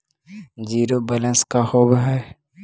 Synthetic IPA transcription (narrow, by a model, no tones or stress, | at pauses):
d͡ʒiːɾobələ̃nskahoːbəɦɛ